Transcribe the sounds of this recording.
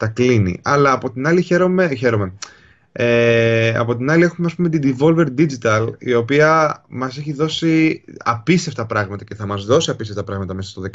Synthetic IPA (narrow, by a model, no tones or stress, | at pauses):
t̪ɐklinḭɐlɐːpo̞t̪inɐliçe̞ɾo̞me̞çe̞ɾo̞me̞ | eɐ̰po̞t̪inɐlie̞xumeɐspume̞t̪id̪ivo̞lve̞ɾd̪id͡ʒit̪ɐlḭo̞piɐmɐseçiðo̞siɐpist̪e̞ft̪ɐpɾɐɣmɐt̪ɐce̞θɐmɐzðo̞siɐpist̪eft̪ɐpɾɐɣmɐt̪ɐmesɐst̪oðek